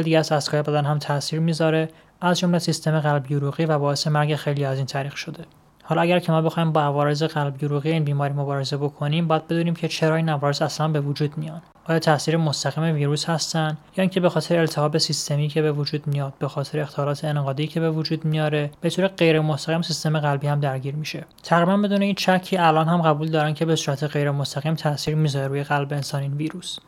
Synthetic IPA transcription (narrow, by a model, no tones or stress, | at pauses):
ld̪iɟææzæst̪kɒːjebæd̪ænɦæmt̪ʰæsiːɾmiːzɒːɾe̞ | ʔæzd͡ʒo̞mle̞sist̪e̞meɣælbjoɾuːɣiːvæbɒːe̞se̞mæɾɟe̞xe̞jlijæziːnt̪ʰæɾiːxʃo̞d̪e̞ | hɒlɒæɟæɾcʰe̞mɒːbe̞xɒːhiːmbɒævɒːɾe̞ze̞ɣælbjoɾuːɣijeiːnbiːmɒːɾiːmo̞bɒːɾe̞ze̞bo̞kʰo̞niːmbɒːjæd̪̚be̞d̪uːniːmcʰe̞t͡ʃʰe̞ɾɒːiːnævɒːɾezæslænbe̞vud͡ʒuːd̪mijɒːn | bɒːjæt̪t̪ʰːæsiːɾemost̪æɣiːme̞viːɾuːshæst̪ænd̪jɒːiːncʰebe̞xɒːt̪ʰe̞ɾeelt̪ʰehɒːbe̞sist̪ʰe̞miːcʰe̞be̞vud͡ʒuːd̪mijɒːd̪̥̚be̞xɒːt̪ʰeɾeexχt̪ʰɒlɒːt̪ʰeːneɣɒːd̪iːcʰe̞be̞vud͡ʒuːd̪mijɒːɾe̞b̥e̞t̪ʰoːɾe̞ɢe̞jɾemost̪æɣiːmsist̪e̞me̞ɣælbiːhæmd̪æɾɟiːɾmiːʃe̞t̪ʰæɣɾiːbænbe̞d̪uːneiːnt͡ʃʰæcʰːiːælʔɒːnhæmɢæbuːld̪ɒːɾæncʰe̞be̞suːɾæt̪ʰe̞ɣe̞jɾe̞most̪æɣiːmt̪ʰæʔsiːɾmizɒɾeɾuːje̞ɣælbeːnsɒːniːnviːɾuːs